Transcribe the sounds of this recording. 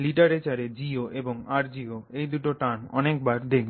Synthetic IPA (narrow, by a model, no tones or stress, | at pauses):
liʈaɾet͡ɕaɾed͡ʑioʔeboŋaɾd͡ʑioejd̪uʈoʈanɔ̰nekbaɾd̪ek̚ʰb